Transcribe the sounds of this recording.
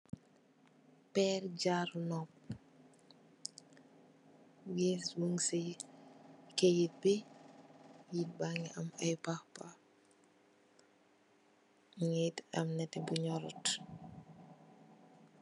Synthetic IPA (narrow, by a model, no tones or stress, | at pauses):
pɛːrɟaɾnɔp̚ | wɛswuŋsɛ | kejit̚bi | jit̚baŋɛʔɐmɐjpaxpa | ŋitɐ̰mnɛtɛbuɲɔɾɔt